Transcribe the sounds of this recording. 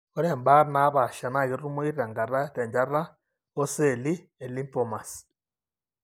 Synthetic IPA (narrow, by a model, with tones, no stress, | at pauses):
o˦ɾe˨mba˦ɾna˦βa˨ʃa˨na˨ɣi˦ɾu˦mwi˦ɾiɾa˨ŋɡa˨ɾa˦te˨ɲɟa˦ɾa˦ | o˦se˨li˦ | e˨li˦mpo˨ma˨s